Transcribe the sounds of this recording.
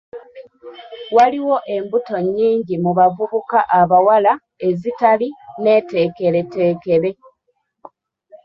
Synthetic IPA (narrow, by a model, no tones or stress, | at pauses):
waliwo̞ʔe̞mbuto̞ɲːiːɲɟimuβavuβukaʔaβawala | e̞zitaline̞ːte̞ːke̞ɾe̞te̞ːke̞ɾe̞